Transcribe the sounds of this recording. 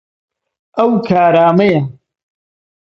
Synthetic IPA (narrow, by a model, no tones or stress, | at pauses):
ɐwkʰaːɾaːmɐja